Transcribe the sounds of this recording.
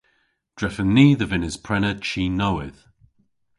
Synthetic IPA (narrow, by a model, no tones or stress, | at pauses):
d̥ɹɛfəniːðəvɪnɪz̥pʰɹ̥ɛnət͡ʃʰiːnowɪð̥